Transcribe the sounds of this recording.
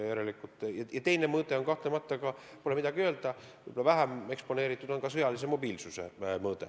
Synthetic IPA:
jeɾelikˑut̪ːˑjɑjɑt̪e̞jnemɤːt̪eo̞nkɑht̪lemɑt̪ːˑɑkɑ | polemid̪̥ɑɡ̥iø̞ːld̪̥ɑ | ɯjbolɑvæɦæme̞kspo̞ne̞ːɾit̪ːˑud̪̥o̞nkɑsɤjɑlis̬e̞mo̞biːlsuse̞̰mɤːd̪e̞̰

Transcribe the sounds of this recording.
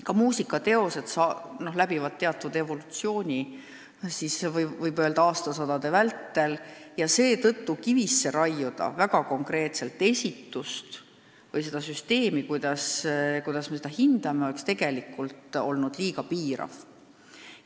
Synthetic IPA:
kɑmuːsikːˑɑt̪e̞o̞se̞d̪̥sɑno̞hlæbivɑd̪̥̚t̪e̞ɑt̪ːˑvud̪e̞vo̞lut̪sio̞ːnʲi | sisvvɤjbøld̪ɑɑːst̪ɑsɑd̪ɑd̪̥e̞vælt̪ːe̞ljɑse̞ːt̪ɤ̞t̪ːukivisːe̞ɾɑjːud̪̥ɑ̰væɡ̥ɑko̞ŋkre̞ːt̪se̞lt̪ːˑe̞sʲit̪ːˑust̪ | vɤjs̬e̞d̪̥ɑsyst̪e̞ːmikujd̪̥ɑskujd̪ɑsmesed̪ɑhind̪̥ɑmeoe̞kst̪e̞ɡ̥e̞likːˑult̪o̞lnud̪̥liːɡɑpiːɾɑ̰v̥

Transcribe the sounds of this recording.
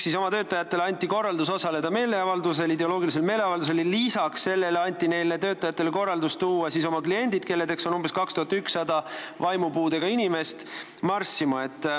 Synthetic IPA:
siso̞mɑt̪ø̞ːt̪ːˑɑjɑt̪ːˑe̞lɑnʲt̪ːˑiko̞rːɑld̪us̬o̞sɑle̞d̪ɑme̞ːle̞ɑvɑld̪us̬e̞lid̪e̞o̞lo̞ːɡilis̬e̞lme̞ːle̞ɑvɑld̪use̞llisɑksse̞lːe̞lɑnʲt̪ːˑine̞jle̞t̪ø̞ːt̪ːˑɑjɑt̪ːˑe̞leko̞rːɑld̪ust̪uːwɑsiso̞mɑklije̞nʲd̪̥id̪̚ke̞lːed̪e̞ksonumbe̞skɑkst̪uhɑt̪ːyksːɑd̪ɑ | vɑjmupuːd̪e̞ɡ̥ɑinʲime̞st̪ | mɑrsːimɑe̞t̪ːˑ

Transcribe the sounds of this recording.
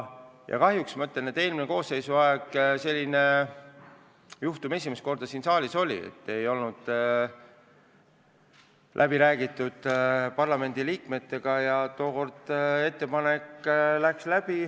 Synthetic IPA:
jɑ̰kɑɦjuksmɑɯt̪lene̞t̪e̞ːlmine̞ko̞ːsːe̞jsuɑeɡ̥se̞lʲːine | juht̪ume̞sʲimest̪ko̞rd̪̥ɑsiːnsɑːlʲiso̞lʲḭḛt̪ːe̞jo̞lnud̪̥ | lʔæb̥iɾæːɡit̪ˑːud̪̥pɑrlɑme̞nd̪iliːkme̞t̪ːe̞ɡ̥ɑjɑt̪o̞ːko̞rd̪̥e̞t̪ːe̞pɑne̞kːlækslæb̥i

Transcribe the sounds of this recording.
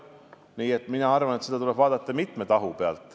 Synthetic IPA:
niːe̞t̪ːˑminɑɑrvɑnet̪se̞d̪ɑt̪ulɛb̥vɑːd̪̥ɑt̪ːˑɑmit̪ˑmet̪ɑɦupeɑ̰lt̪ːˑ

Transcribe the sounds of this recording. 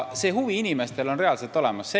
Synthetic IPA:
se̞ːɦuviinimest̪e̞lo̞nre̞ɑlselt̪ːˑo̞le̞mɑsːe

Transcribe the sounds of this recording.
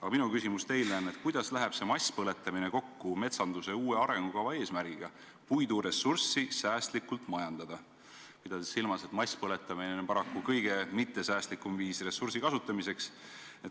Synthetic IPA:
ɑɡ̥ɑminukysimust̪e̞jlnæne̞t̪̚kujd̪̥ɑslæɦɛb̥se̞mɑsʲpɤle̞t̪ːˑɑmine̞ko̞kːume̞t̪sɑnd̪use̞uːeɑɾe̞ŋɡ̥ukɑvɑe̞ːsmæɾɡ̥iɡ̥ɑ | pujd̪uɾe̞sːursːisæːst̪likːˑult̪ːˑmɑjɑnd̪̥ɑd̪̥ɑ | mid̪̥ɑd̪isilmɑse̞t̪ˑmɑjsʲpɤle̞t̪ːˑɑminepɑɾɑkːukɤjɡ̥e̞mit̪ːˑe̞sæːst̪likːˑumviːsre̞sːuɾsikɑsut̪ːˑɑmise̞ks | et̪

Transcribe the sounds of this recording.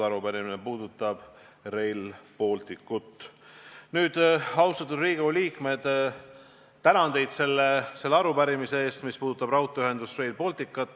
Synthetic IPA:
ɑɾupæɾiminepuːd̪ut̪ːˑɑb̥ | re̞jlpo̞lt̪ikːˑut̪ːˑ | nyːd̪̥ɑwst̪ɑt̪ːˑud̪riːɡ̥uliːkme̞d̪̥ | t̪æɾɑnd̪̥e̞jd̪̥se̞lːese̞lːeɑɾupæɾimise̞eːst̪mispuːd̪ut̪ːˑɑb̥rɑwt̪ːˑoyɦe̞nd̪usre̞jlpo̞lt̪ikːˑɑt̪ːˑ

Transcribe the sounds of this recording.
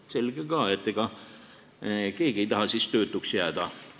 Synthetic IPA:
se̞lɡ̥eɡɑːet̪ːeɡ̥ɑ | ke̞ːɡ̥ie̞jt̪ɑɦɑsist̪ø̞ːt̪ːˑuksjæːd̪̥ɑ

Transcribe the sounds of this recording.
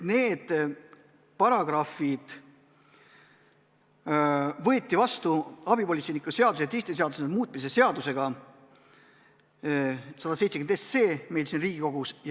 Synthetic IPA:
ne̞ːd̪̥ | pɑɾɑɡ̥rɑfid̪̥ | vɤet̪ʲˑːivɑst̪uɑbipo̞lʲit̪se̞nikːˑuse̞ɑd̪us̬et̪ːist̪es̬eɑd̪useemuːt̪̚ˑmis̬e̞se̞ɑd̪use̞ɡ̥ɑ | sɑd̪ɑsejt̪se̥ynesse̞ːme̞jlsiːnriːɡ̥iko̞ɡ̥usj

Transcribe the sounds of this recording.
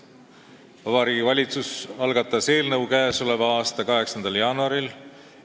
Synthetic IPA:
ɑvɑɾiɡivɑlʲit̪susɑlɡɑt̪ːˑɑse̞ːlnɤwkæːso̞le̞vɑɑːst̪ɑkɑɦe̞ksɑnd̪̥ɑljɑːnuɑɾil

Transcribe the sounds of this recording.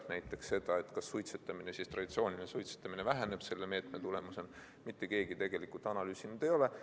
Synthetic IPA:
næjt̪ːˑe̞ksːe̞d̪̥ɑe̞t̪ːˑkɑsːujt̪set̪ːˑɑminesist̪ɾrɑd̪it̪sjoːnʲinesujt̪se̥t̪ːˑɑminevæɦæne̞b̥se̞lːe̞me̞ːt̪me̞t̪ule̞muse̞n | mit̪ːe̞ke̞ːɡ̥it̪e̞ɡ̥e̞likult̪ˑɑnɑlyːsinyd̪̥e̞jo̞le̞

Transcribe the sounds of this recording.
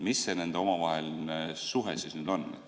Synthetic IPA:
misːe̞ne̞nd̪eo̞mɑvɑɦelnesuɦesiːsnyːd̪̥o̞nːḛ

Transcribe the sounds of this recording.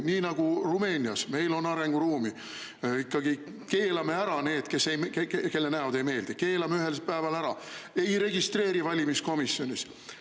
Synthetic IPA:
niːnɑɡ̥urume̞ːnʲiɑsme̞jlo̞nːɑɾe̞ŋɡ̥uɾuːmi | ikːɑɡi | ke̞ːlɑme̞æɾɑne̞ːd̪̥ke̞sːejkeke̞lːenæod̪e̞jme̞ːld̪̥ike̞ːlɑmeyɦe̞lpæevɑlæɾɑe̞jɾe̞ɡ̥ist̪re̞ːɾivɑlʲimisko̞misjo̞nʲis

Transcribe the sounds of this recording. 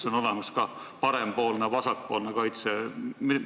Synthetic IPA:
so̞no̞le̞mɑskɑ | pɑɾe̞mpo̞ːlnevɑsɑk̚po̞ːlnekɑjt̪semi

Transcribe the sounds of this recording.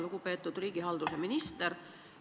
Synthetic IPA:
luɡ̥upe̞ːt̪ːˑud̪̥riːɡ̥iɦɑld̪useminist̪eɾ

